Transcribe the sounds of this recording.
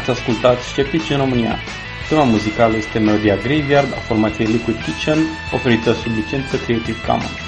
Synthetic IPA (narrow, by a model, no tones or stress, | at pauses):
at̪sʲaskult̪at̪sʲʃʲt͡ʃe̞p̚t̪it͡ʃʲɨnro̞mɨnia̰ | t̪ɾimamuzikaləje̞st̪e̞me̞lo̞d̪iaɡɾejvjard̪a̰fo̞rmat̪sijejlikwid̪̚k̪it͡ʃən | o̞fe̞ɾit̪əsublit͡ʃe̞nt̪səkɾeet̪ivka̰mə̰n